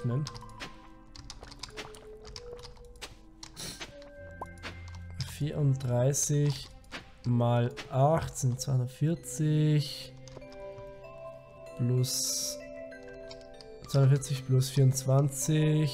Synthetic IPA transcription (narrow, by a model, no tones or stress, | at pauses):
mɛn | fiːɐʊnd̥ʁaɪsɪç | maːlʔaxtt͡sɛnt͡svaɪntfɪɐt͡sɪç | ʊs | tt͡sv̥aɪ̃nfɪɐt͡sɪçplʊsfiːɐʊnt͡sv̥ant͡sɪ